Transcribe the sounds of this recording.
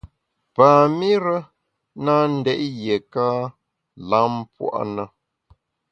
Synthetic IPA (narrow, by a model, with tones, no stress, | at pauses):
paː˨mi˦ɾə˦ | na˦n̩˦dɛ˦ʔje˨ka˦ | la˦mpwa̰˦˨ʔnə˦